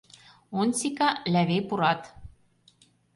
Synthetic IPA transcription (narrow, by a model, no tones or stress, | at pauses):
onsikɑlæβejpuɾɑt̪